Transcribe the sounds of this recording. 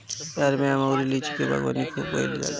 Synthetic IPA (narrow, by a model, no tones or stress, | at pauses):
aɾmɛ̃amauɾilit͡ʃʰikebʱa̰ɡba̰nikʰubo̰jld͡ʒa̰l